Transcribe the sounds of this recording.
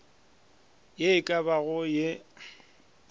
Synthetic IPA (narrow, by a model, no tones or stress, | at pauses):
jeɪkʼabaɣʊje